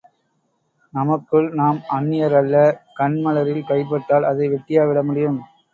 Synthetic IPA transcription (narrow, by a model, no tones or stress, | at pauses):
nɐmɐkːɯɭnaːmɐnːɪjɐɾɐɭːɐkɐɳmɐlɐɾɪlkɐɪp̬ːɐʈːaːlɐðɐɪʋɛʈːɪjaːʋɪɽɐmʊɽɪjɯm